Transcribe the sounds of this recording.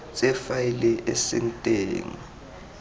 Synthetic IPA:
t͡sʼɛfajɛlɛʔesɛ̰ntʼeːŋi

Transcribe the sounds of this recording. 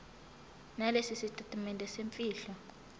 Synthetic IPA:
nalesisitʰʼatʼamɛntʼɛseɱfʼiːɬɔ

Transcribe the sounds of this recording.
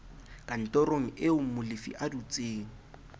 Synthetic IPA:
kʼan̩tʼɔroŋ̩ɪʊmʊlɪfḭʔadut͡sʼeːŋ̩

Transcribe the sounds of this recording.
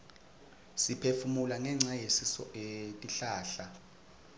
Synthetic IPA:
sipʰefumulaŋɛŋ͡ǀajesisɔ̰ʔetʼiɬaːɬa

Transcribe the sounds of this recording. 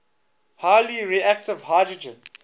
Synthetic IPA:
haːliɹiæk̚tɪvhaːdɹəd͡ʒə̃n

